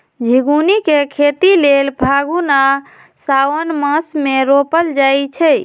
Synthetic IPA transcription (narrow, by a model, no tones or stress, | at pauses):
d͡ʒʱiɡunikekʰet̪ilelbʱaɡuna | sawənməsmeɾopəld͡ʒajt͡ʃʰɛ